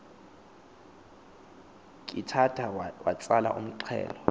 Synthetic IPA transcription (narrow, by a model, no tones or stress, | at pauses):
kʼitʰatʰawat͡sʼalaʔum̩ǃʰɛ̰ːlɔ